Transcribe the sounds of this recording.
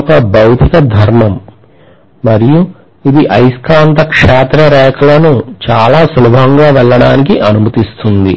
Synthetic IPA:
ɔkɐbɐwt̪ikɐd̪ʱɐɾmɐmː | ɐɾiju | id̪iʔɐjskaːnt̪ɐkʂaːt̪ɾɐɾɛːkʰɐlɐnut͡ʃaːlaːsulɐbʱɐŋɡaːʋɛɭːɐɽaːnikiʔɐnumɐt̪ist̪und̪ḭ

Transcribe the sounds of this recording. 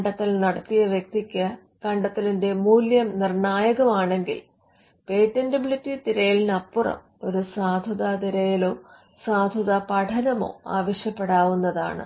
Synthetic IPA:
ɳɖɐt̪ːilnɐɽɐt̪ːijɐʋjek̚t̪ikʲːɐ | kɐɳɖɐt̪ːilinde̞muːljɐmnirɳaːjɐɣɐmaːɳe̞ŋɡḭl | pe̞ːtːendɐbilitːit̪iɾɐjilnɐpːurɐ̰m | o̞ɾusaːd̪ʱɐðaːd̪iɾɐjɐlo̞ː | saːd̪ʱɐðapɐʈʰɐnɐmo̞̰ːa̰ːʋɐɕjɐpːe̞ɽaːʋunːɐða̰ːɳɨ̰

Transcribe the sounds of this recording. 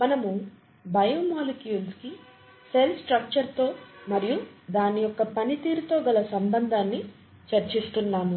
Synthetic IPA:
mɐnɐmu | bʱɐjɐmoːlukiunski | selpsʈɾɐk̚t͡ʃɐɾt̪o̞ːmɐɾijud̪aːnijɔkːɐpɐnit̪iːɾut̪oːɡɐlɐsɐmbɐnd̪ʱaːnːi | t͡ʃɐɾt͡ʃist̪unːaːmu

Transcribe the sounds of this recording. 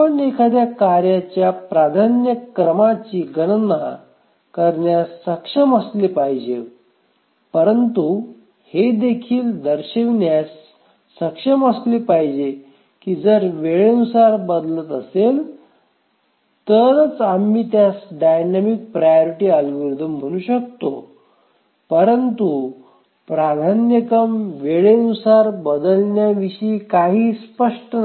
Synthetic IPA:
əɳekʰad̪jakaɾjat͡ɕjapɾad̪ʱanjəkɾəmat͡ɕiːɡənəna | kəɾɳjasːəkʂəməslipaɦid͡ʑe | pəɾənt̪u | hed̪ekʰiːld̪əɾɕeʋnjasː | əkʂəməslipajd͡ʑe | kiːd͡zəɾʋeɭenusaɾbəd̪lət̪əsel | t̪əɾt͡samːiːt̪jasɖajnamik̚pɾajoɾiʈiːəlɡiɾd̪ʱəmm̤əɽ̃uːɕək̚t̪o | pəɾənt̪u | pɾad̪ʱanjəkəmʋeɭenusaɾbəd̪əlnjaʋiɕiːkaɦiːspəʂʈən

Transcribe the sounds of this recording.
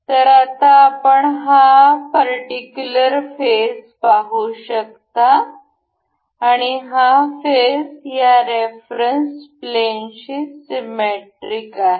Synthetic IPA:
t̪əɾat̪aːpəɳɦapəɾʈikjuləɾfespaɦuɕək̚t̪a | ɽ̃iɦafesjaɾefɾənsplenɕisimeʈɾikaɦe

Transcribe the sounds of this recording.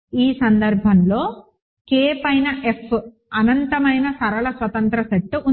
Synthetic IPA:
iːsɐnd̪ɐɾbʱɐnlo̞ː | keːpɐjnɐʔefʰ | ɐnɐnt̪ɐmɐjnɐsɐɾɐɭɐsʋɐt̪ɐnt̪ɾɐsɐʈːʔu

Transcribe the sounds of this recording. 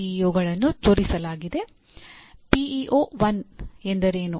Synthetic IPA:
ijoːɡɐɭɐnːut̪o̞ːɾisɐlaːɡid̪e̞ | piiʔoːʋɐnend̪ɐɾe̞ːnu

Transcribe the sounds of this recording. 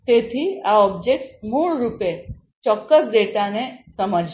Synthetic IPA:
t̪et̪ʰiːaɔbd͡ʑek̚ʈsmuɭɾupe | t͡ɕɔkːəsd̪eʈanesəməd͡ʑ

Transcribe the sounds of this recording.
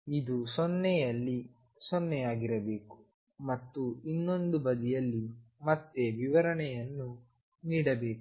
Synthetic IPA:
id̪usɔnːɛjɐlːi | sɔnːɛjaːɡiɾɐbe̞ːku̥ | mɐt̪ːuinːo̞nd̪ubɐd̪ijɐlːimɐt̪ːeʋiʋɐɾɐɳɛjɐnːu | niːɽɐbe̞ːku̥

